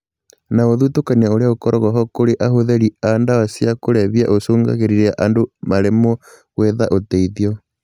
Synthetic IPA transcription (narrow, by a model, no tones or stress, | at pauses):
naoðutokaniaoɾeaokɔɾʔɔɣɔɦɔkoɾeʔaɦoðɛɾiandawasjakoɾɛβiaʔosoːŋɡa̰ɣeɾiɾeaʔandomaɾemɔ | ɣweðaʔotɛiðiɔ